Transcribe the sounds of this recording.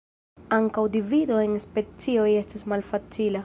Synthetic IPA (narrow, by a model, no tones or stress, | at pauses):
aŋkawdividoe̞nspe̞t͡sio̞je̞stasmalfat͡sila